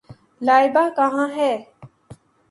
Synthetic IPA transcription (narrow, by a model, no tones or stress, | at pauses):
lajbaːkaɦãːɦɛː